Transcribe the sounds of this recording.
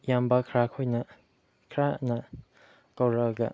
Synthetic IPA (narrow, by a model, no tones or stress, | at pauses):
jambɐkʰɾakʰojnɐ | kʰɾanɐ | kawɾɐɡɐ̰